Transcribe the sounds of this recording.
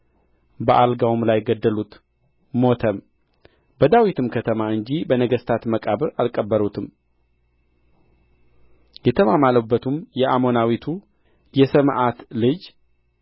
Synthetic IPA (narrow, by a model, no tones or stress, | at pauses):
bəʔalɡawumlajɡəd̪ːəlut̪ | mo̞t̪ʰəm | bəd̪awit̪ʰɨmkʰət̪ʰəmaɨɲd͡ʒibənəɡəst̪ʰat̪məkʼaβɨɾalkʼːəbːəɾut̪ʰɨm | jɛt̪ʰəmamaləbːət̪ʰumjɛʔamo̞nawit̪ʰu | jɛsəmʔat̪lɨd͡ʒ